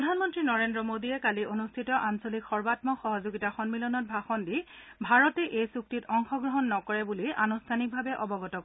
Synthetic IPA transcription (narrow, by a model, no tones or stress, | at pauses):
ɔdʱanmɔntɹinɔɹendɹɔmodijɛkaliʔonustʰitɔʔansolikxɔɹbatmɔxɔɦɔzoɡitaxɔnmilɔnɔt̚bʱaxɔndibʱaɹɔtɛʔejsuk̚titɔŋxɔɡɹɔɦɔnːɔkɔɹɛbuliʔa̰nustʰanik̚bʱabɛʔɔbɔɡɔtɔkɔ